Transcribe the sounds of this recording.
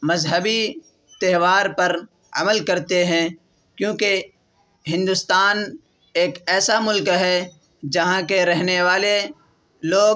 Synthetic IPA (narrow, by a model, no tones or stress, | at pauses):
mɐzɦəbi | t̪ɛɦʋaːɾpɐɾ | ɐ̰məlkɐɾt̪eɦɛ̃ | kjõːke | ɦɪ̃nd̪ʊst̪aːn | eːkɛːsamʊlkɦɛ | d͡ʒɐɦãkeɾɛɦneʋaːle | loːɡ